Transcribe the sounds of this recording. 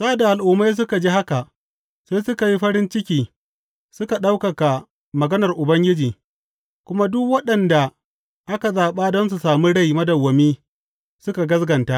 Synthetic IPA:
sa˦a˨da˨ʔa˨lʔʊː˨mːa˦js̬ʊ˦ka˨d͡ʒiː˦ha˦ka˨ʔ | sa˦jsʊ˦ka˨ji˦ɸɐ˦ɾɪ˦nt͡ʃɪ˦kʲiː˨ | sʊ˦ka˨ɗa˦wkɐ˨ka˨ | mɐ˨ɡɐ˦nɐ˨rʔʊ˨bɐ˦ŋɡʲɪ˦d͡ʒiː˨ | kʷʊ˦ma˦dʊ˦kwɐ˦ɗɐ˨nda˨ | ʔa˦ka˨zaː˨ɓaː˦dɔ˦ns̬u˨saː˨miː˦ɽa˦˨jmɐ˦dɐ˨wːɐ˨miː˦ | sʊ˦ka˨ɡɐ˦sɡɐ˨nta˦ʔ

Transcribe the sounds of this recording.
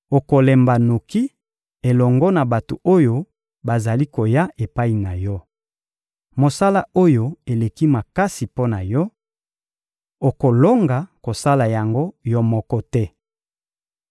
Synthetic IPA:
o˨ko˨lɛ˨mba˨no˨ki˦ | e˨lɔ˨ŋɡɔ˦na˨ba˨to˨o˦jo˦ | ba˨za˨li˦ko˨ja˦ʔe˨pa˦i˨na˨jɔ˦ | mo˨sa˦la˦o˦jo˦e˨le˨ki˦ma˨ka˦si˨po˦na˨jɔ˦ | o˨ko˨lo˦ŋɡa˨ko˨sa˦la˨ja˨ŋɡo˦jɔ˦mɔ˦kɔ˦tɛ˦

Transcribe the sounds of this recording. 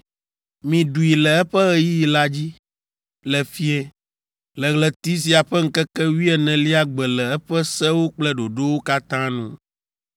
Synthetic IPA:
mĩ˨ɖu˨i˨lɛ˨ɛ˦ɸɛ˦ɣɛ˦ji˦˨la˦d͡ʑi˦ | lɛ˨fi˦ɛ˦ | lɛ˨ɣlɛ˨t̪i˦s̬i˦a˨ɸɛ˦ŋ̩˦kɛ˦kɛ˦wi˦ɛ˨nɛ̃˨li˦a˦ɡ͡bɛ˨lɛ˨ɛ˦ɸɛ˦sɛ˦wo˦k͡plɛ˦ɖo˨ɖo˦wo˦ka˦t̪ã˦nṵ̃˦

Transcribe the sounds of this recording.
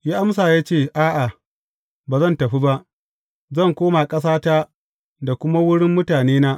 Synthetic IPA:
jaː˦ʔa˦msaː˨jaː˦t͡ʃeː˦˨ʔaː˦ʔa˨ | baː˨zɐ˦˨ntɐ˨ɸi˦ba˦ʔ | zɐ˦˨ŋkʷoː˦ma˨kʼɐ˦s̬aː˦ta˦ | da˨kʷʊ˦ma˦wʊ˦ɽɪ˦mːʊ˦taː˨neː˦naː˦ʔ

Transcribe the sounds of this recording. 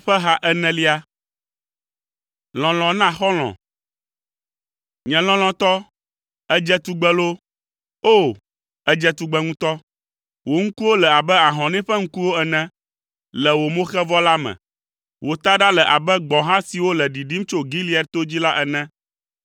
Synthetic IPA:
ɸɛ˦ɦã˦ʔɛ˦nɛ̃˦li˦a˦ | l̃ɔ̃˨l̃ɔ̃˨nã˦xɔ˦l̃ɔ̰̃˨ | ɲɛ̃˨l̃ɔ̃˨l̃ɔ̃˨t̪ɔ˦ | ɛ˦d͡ʒɛ˦t̪u˨˦ɡ͡bɛ˦lo˦ | o˦˨ | ɛ˦d͡ʒɛ˦t̪u˨ɡ͡bɛ˦ŋũ˦t̪ɔ˦ | wo˨ŋ̩˦ku˦wo˦lɛ˨a˨bɛ˦a˨ɦɔ̃˨nɛ̃˦ɸɛ˦ŋ̩˦ku˦wo˦ɛ˨nɛ̃˦ | lɛ˨wo˨mõ˦xɛ˦vɔ˦la˦mɛ̰̃˨ | wo˨t̪a˦ɖa˦lɛ˨ʔa˨bɛ˦ɡ͡bɔ̃˨ɦã˦si˨wo˦lɛ˨ɖi˨ɖi˦m˦t͡ʃo˦ɡi˦li˦ɛ˨ɾt̪o˦d͡ʑi˦la˦ʔɛ˨nɛ̃˦

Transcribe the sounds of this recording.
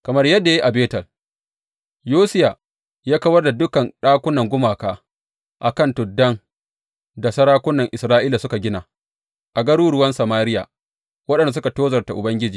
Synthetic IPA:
kɐ˨mɐ˦rjɐ˦dːa˨ji˦ʔa˨beː˦tɐ˨l | joː˦sɪ˦ja˨ | jaː˦kɐ˦wɐ˦rda˨dʊ˦kɐ˨nɗaː˦kʷʊ˦nɐ˨ŋɡʷʊ˦maː˨kaː˦ | ʔa˨kɐ˦˨ntʊ˨dːɐ˦ŋ | da˨sɐ˦ɾaː˦kʷʊ˦nːɐ˨ŋʔɪ˨sɾaː˦ʔiː˦la˨sʊ˦ka˨ɡʲɪ˦na˨ | ʔa˨ɡɐ˦ɽuː˦ɾʊ˦wɐ˦nsɐ˨maː˦ɾɪ˦ja̰˨ | wɐ˦ɗɐ˨nda˨s̬ʊ˦ka˨toː˦zɐ˨rta˨ʔʊ˨bɐ˦ŋɡʲɪ˦d͡ʒiː˨

